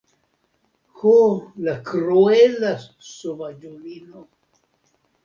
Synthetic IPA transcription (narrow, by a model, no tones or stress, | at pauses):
holakɾoelasovad͡ʒolino